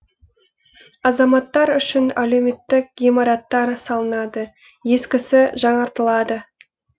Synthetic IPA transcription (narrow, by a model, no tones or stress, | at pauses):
ɑzɑmɑt̪ːɑɾʏʃɪnæleme̞t̪ːɪk̚ɡemɑɾɑt̪ːɑɾsɑlˠənɑd̪ə | je̞skʲɪsɪʒɑɴɑɾt̪əlˠɑd̪ə